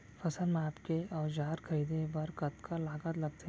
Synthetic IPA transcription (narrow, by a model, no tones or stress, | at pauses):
fʰɐsənmaːpkeɔːɾd͡ʒaːɾkʰɐɾiːd̪ebɐɾkɐt̪kalaːɡət̪lɐɡt̪e